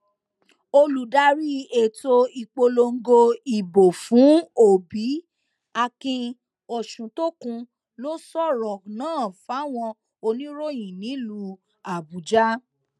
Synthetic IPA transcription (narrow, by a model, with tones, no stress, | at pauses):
o˧lu˨da˦ɾi˦e˨to˧i˨k͡po˧lo˧ŋ̩˦ɡo˧i˨bo˨fũ˨˦o˨bi˨˦ | a˧kĩ˧ | o˨ʃũ˨to˦kũ˧ | lo˦sɔ˦˨ɾɔ˨nãː˦˨fa˨˦˨w̃ɔ̃˧ | o˧nĩ˦ɾo˦˨j̃ĩ˨nĩ˨˦lu˧ | a˨bu˨d͡ʒa˦